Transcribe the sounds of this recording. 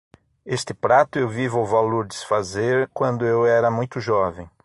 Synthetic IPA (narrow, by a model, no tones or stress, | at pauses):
est̪ɪpɾat̪ʊewvivwvaloɾd̪ɪsfazeɾkwɐ̃nd̪ʊewɛɾɐmũj̃t̪ʊʒɔvẽj̃